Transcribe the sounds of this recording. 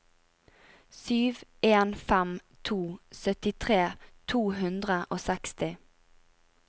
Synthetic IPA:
syːʋeːnfɛmt̪ʰuːsœt̪ɪt̪ʰʁeːt̪ʰuːɦʉnd̪ʁəʔoːsɛkst̪ɪ

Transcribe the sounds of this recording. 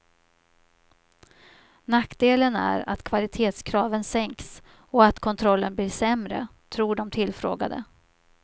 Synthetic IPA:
nakd̪eːlənæ̰ɾa̰t̪kʰvalɪt̪ʰeːt̪skʰɾɑːvənsɛŋks | ɔat̪kʰɔnt̪ʰɾɔlːənbliːʂɛmɾə̰ | t̪ʰɾuːɖɔmt̪ʰɪlːfɾo̰ːɡa̰d̪ə̰

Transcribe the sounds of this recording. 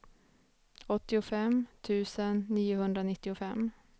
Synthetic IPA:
ɔt̪ːɪʊfɛmt̪ʰʉ̟ːsənːiːʊhɵnd̪ɾanɪt̪ːɪʊfɛmː

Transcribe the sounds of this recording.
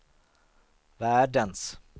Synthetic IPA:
væːɖəns

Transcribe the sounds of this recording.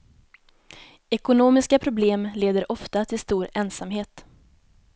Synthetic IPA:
ɛkʊnoːmɪskapʰɾʊbleːmleːd̪əɾʔɔft̪at̪ʰɪlst̪uːɾɛnsamɦeːt̪

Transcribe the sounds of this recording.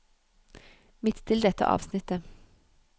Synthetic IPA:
mɪt̪t̪ʰɪld̪ɛt̪ə̰ʔɑ̰ːʋsnɪt̪ə

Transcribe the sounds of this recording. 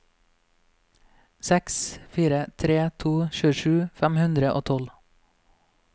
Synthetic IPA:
sɛksfiːɾət̪ʰɾeːt̪ʰuːʃʉːəʃʉːfæmhʉnd̪ɾəʔo̰ːt̪ʰɔl

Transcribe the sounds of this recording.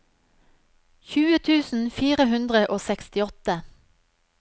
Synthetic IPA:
çʉːət̪ʰʉːsn̩fiːʁəhʉnd̪ʁəʔoːsɛkst̪ɪɔt̪ə

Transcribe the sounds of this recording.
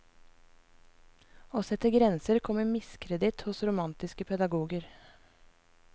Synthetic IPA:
oːsɛt̪əɡɾɛnsəɾkʰɔməmɪskʰɾɛd̪ɪt̪hʊsɾʊmɑnt̪ɪskəpʰɛd̪ɑɡuːɡəɾ

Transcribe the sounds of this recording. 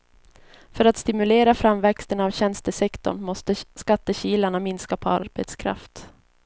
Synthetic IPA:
fœɾat̪st̪ɪmɵleːɾafɾamvɛkst̪ənavɕɛnst̪əsɛkt̪ɔ̰ɳmɔst̪əskat̪ːəɕiːlaɳamɪnskapʰɔa̰ɾbḛt̪skʰɾa̰ft̪

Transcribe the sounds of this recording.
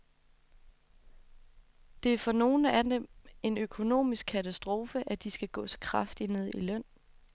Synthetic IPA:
d̥e̝æɐfɒ̽no̝ːn̩ædeme̝nøkʰo̝no̝̰ːmisɡ̥̚kʰæt͡sʰæsd̥ʁo̝ːfəʔæd̥isɡ̥æɡ̥ɔ̰̽ːt͡sʰe̥kʰʁɑ̈fd̥ine̝ð̞̰ˠilœn̰

